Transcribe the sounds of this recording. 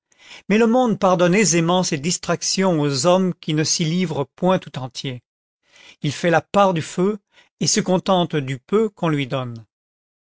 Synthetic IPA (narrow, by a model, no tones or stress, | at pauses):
mɛləmɔ̃d̪̚paʁd̪ɔnezemɑ̃sed̪ist̪χaksjɔ̃ozɔmkʲinəsilivʁəpwɛ̃t̪u̥t̪ɑ̃t̪je | ilfɛlapaʁd̪yfø | esəkɔ̃t̪ɑ̃t̪d̪ypøkɔ̃lɥid̪ɔn